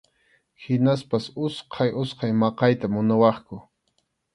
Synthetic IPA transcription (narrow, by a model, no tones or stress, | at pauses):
hɪnaspasʊsqʰɑjʊsqɑjmɑqɑjt̪amʊnawɑχkʊ